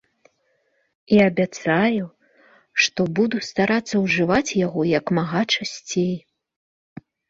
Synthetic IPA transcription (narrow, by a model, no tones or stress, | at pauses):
iɐbʲat̪saju | ʂt̪ɔbud̪ust̪aɾat̪sːɐwʐɨvat͡sʲjaɣɔjɐkmaɣat͡ʂasʲt͡sʲej